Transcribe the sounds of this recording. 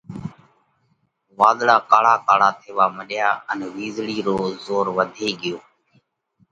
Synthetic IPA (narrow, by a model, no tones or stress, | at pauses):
ʋaːd̪ɽaːkaːɽaːkaːɽaːt̪ʰeːʋaːməɗɪjaːənːʋiːzɽiːɾoːzoːɾʋəd̪ʱeːɠɪjoː